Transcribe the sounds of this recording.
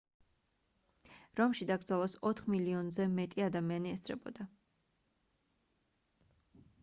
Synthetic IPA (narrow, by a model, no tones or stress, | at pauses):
ɾɔmʃid̪aɡɾd̪zalˠɔsɔt̪ʰχmiliɔnzɛmɛt̪ʼiad̪amianiɛst̪sʰɾɛ̰bɔ̰d̪a